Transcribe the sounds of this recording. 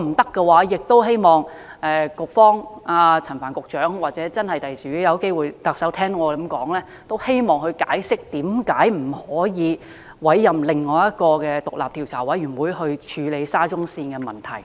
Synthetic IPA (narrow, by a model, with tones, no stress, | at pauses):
m̩˨˩t̪ɐ˥kːɛ˧waː˨˥jɪ˨k̚t̪o˥wɦe˥jmɔː˨˩ŋ | ɛː˨˩kʊ˨k̚fɔː˥ŋaː˧t͡sʰɐ˨˩nfaː˨˩nkʊ˨k̚t͡ʃœː˨˥ŋwaː˨t̚t͡sɛ˨˥t͡sɐ˥nhɐ˨jt̪ɐ˨jsi˨˥jɐ˨˧wke˥jwuː˨jt̪ɐ˨˧k̚sɐ˨˥wt̪ʰɛː˥ŋɔː˨˧kɐ˨˧˥mkɔː˨˥ŋlɛː˥ | t̪o˥whe˥jmɔː˨˩ŋhɵ˧ɥkaː˨˥jsɪ˥k̚t̪iː˨˥mkaː˨˥jm̩˨˩hɔː˨˥jiː˨˧ | wɐ˨˥jːɐ˨mlɪ˨ŋːɔː˨˧jɐ˥t̚kɔː˧kɛː˧t̪ʊ˨k̚la̰ː˨p̚t̪ʰiː˨wt͡sʰaː˨˩wɐ˨˥jyː˨˩nwuː˨˧jhɵ˧ɥt͡ʃʰyː˨˧le˨˧jsaː˥t͡sʊ˥ŋsiː˧nkɛː˧mɐ˨˩nt̪ʰɐ˨˩j